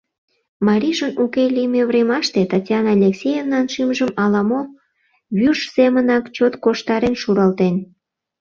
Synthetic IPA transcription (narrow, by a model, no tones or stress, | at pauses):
mɑɾʲiʒənukelʲimeβremɑʃt̪et̪ɑtʲjɑnɑlʲeksʲejevnɑnʃimʒəmɑlɑmo | βyʃz̥emənɑkt͡ɕot̪koʃt̪ɑɾenʃuɾɑlt̪en